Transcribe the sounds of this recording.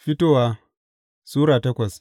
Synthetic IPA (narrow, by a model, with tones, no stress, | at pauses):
ɸɪ˦toː˦waː˦ | suː˦ɾaː˨tɐ˦kʷɐ˨s